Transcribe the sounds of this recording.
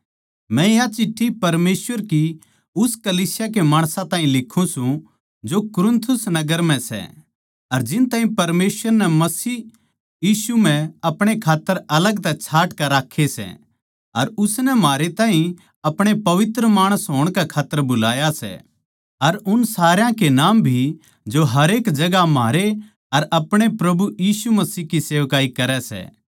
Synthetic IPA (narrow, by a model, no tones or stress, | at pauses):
mɛ̃jat͡ʃɪʈʰːipɐɾmeːsʋəɾki | ʊskɐliːsɪjak̬emaːɽ̃sãt̪aːĩlɪkʰːũsũ | d͡ʒokʊɾɪnt̪ʰʊsnɐɡəɾm̤ɛ̃sɛ̰ | ɐɾd͡ʒɪnt̪aːɦĩpɐɾmeːsʋəɾnɛmɐsiː | jiːsum̤ɛ̃ɐpɽ̃ekʰaːt̪ːəɾɐləɡt̪ɛt͡ʃʰaːʈkɛɾaːkʰːesɛ̰ | ɐɾʊsnɛmaːɾet̪aːɦĩ | ɐpɽ̃epɐʋɪt̪ɾəmaːɽ̃əsɦoːɽ̃kɛkʰaːt̪ːəɾbʊlaːjasɛ̰ | ɐɾʊnsaːɾjãkenaːmbʱi | d͡ʒoɦɐɾeːkd͡ʒɐɡamaːɾe | ɐɾɐpɽ̃epɾɐbujiːsumɐsiːkiseːʋkaːikɐɾɛsɛ̰ː